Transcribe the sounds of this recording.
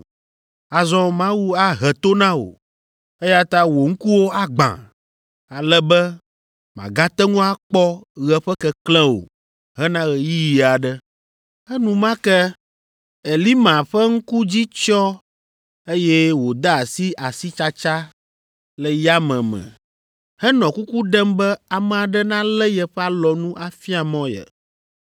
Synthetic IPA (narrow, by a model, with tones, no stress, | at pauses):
a˨zɔ̃˦mã˦wu˦a˦ɦɛ˨t̪o˦nã˦wo̰˨ | e˦ja˦t̪a˦wo˨ŋ̩˦ku˦wo˦a˦ɡ͡bã̰˨ | a˨lɛ˦bɛ˦ | mã̰˨ɡã˦t̪ɛ˦ŋũ˦a˦k͡pɔ˦ɣɛ˨ɸɛ˦kɛ˨klɛ̃˦wo̰˨ | ɦɛ˦nã˦ɣɛ˨ji˦ji˨a˨ɖɛ˦ | ɛ˦nũ˦mã˦kɛ˦ | ɛ˨li˦mã˨ɸɛ˦ŋ̩˦ku˦d͡ʑi˦t͡ʃɔ˦ | e˦jɛ˦wo˨d̪a˦a˨si˦ʔa˨si˦t͡ʃa˦t͡ʃa˦ | lɛ˨ja˦mɛ̃˨mɛ̰̃˨ | hɛ˦nɔ̃˨ku˦ku˦ɖɛ˦mbɛ˦a˨mɛ̃˨a˨ɖɛ˦nã˦lɛ˦jɛ˨ɸɛ˦a˦lɔ˨nũ˦ʔa˨fi˦a˨mɔ̃˦jɛ̰˨